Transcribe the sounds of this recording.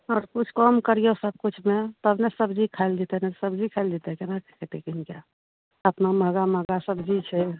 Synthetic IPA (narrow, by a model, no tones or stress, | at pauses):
ɔːɾkʊt͡ʃʰkɔmkəɾijosəb̚kʊt͡ʃʰmẽt̪əbnesəbd͡ʒikʰaɪld̪it̪enasəbd͡ʒʱikʰald̪it̪ekenakʰket̪ekinkja | əpnaməɡaməɡasəbd͡ʒit͡ʃʰɛ